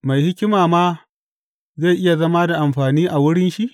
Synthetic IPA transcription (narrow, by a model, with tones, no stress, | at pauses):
ma˨jhɪ˦kʲɪ˦maː˨maː˦ | za˦˨jʔɪ˦ja˨zɐ˦ma˦da˨ʔa˨mɸaː˨niː˦ʔa˨wʊ˦ɽɪ˦nʃi˦ʔ